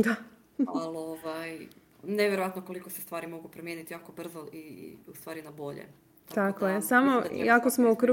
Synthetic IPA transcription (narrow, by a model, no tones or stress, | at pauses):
d̪a | aloʋaj | neʋjeɾoʋat̪noko̞likosest̪ʋaːɾimo̞ɡupɾomjeːnit̪ijaːko̞br̩zoʔiust̪ʋaːɾinabo̞ʎḛ | t̪akojesamojakosmoukɾu